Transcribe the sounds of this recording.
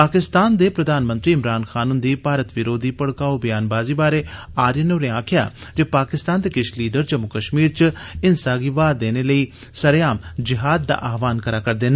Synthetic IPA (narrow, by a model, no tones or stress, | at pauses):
paːkɪst̪aːnd̪eːpɾəd̪aːnmə̃nt̪ɾiːɪmɾaːnxʰaːnʊnd̪iːpaːɾət̪ʋɪɾoːd̪iːpəɽkaːobəjaːnbaːziːbaːɾeː | aːɾjənoːɾẽãːkʰɪja̰ːd͡ʒeːpaːkɪst̪aːnd̪eːkɪʃliːɖəɾd͡ʒəmːʊkəʃmiːɾt͡ʃɪnsaːɡiːʋaːd̪eːneːləiː | səɾejaːmd͡ʒɪɦaːd̪̚ːa̰ːʔaːʋaːnkəɾaːkəɾd̪eːna